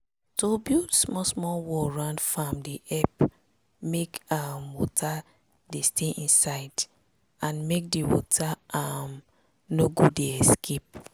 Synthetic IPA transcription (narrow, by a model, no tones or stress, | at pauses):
tobjudsmɔsmɔwɔɹãnfamdiʔɛp | mekamwɔtʰa | desteʔĩnsaɪd | ãnmek̚diwɔ̰tʰaam | noɡueɛskʰep̚